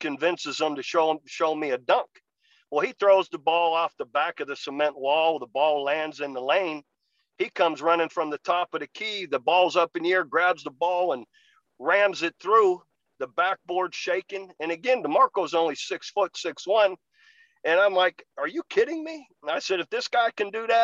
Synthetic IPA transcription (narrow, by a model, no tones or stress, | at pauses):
kɨ̃ɱvɪ̃nsɨz̥ə̃mtɨʃoʊʃoʊmiɨdʌ̃ŋk | wəlˠiθɹoʊzðəbɔlˠɔfðəbækʌvðɨsəmɛ̃nʔwɔlˠðəbɔlˠlæ̃ndzɨ̃nðəlẽɪ̃n | ikʰʌ̃mzɹʌnɪ̃ŋfɹʌ̃mðɨtʰɑpʌðɨkʰiðɨbɔlˠzʌpɨ̃njɪɹɡɹæbzðəbɔlˠə̃n | ɹæ̃mzɨt̪̚θɹu | ðɨbæk̚b̥ɔɹd̥ʃeɪkɪ̃ŋɨ̃nɨɡɛ̃nðəmɑɹkoʊzõʊ̃nlisɪksfʊtsɪkswʌ̃n | ɨ̃ñãɪ̃mlaɪkə˞jɨkʰɪɾɪ̃ŋmi | naɪsɛɾɨfðɪsɡ̥aɪkɨ̃ndɨðɨt̚